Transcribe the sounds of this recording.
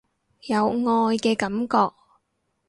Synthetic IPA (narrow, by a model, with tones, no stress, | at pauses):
jɐ˨˧wŋɔː˧jkɛː˧kɐ˨˥mkɔː˧k̚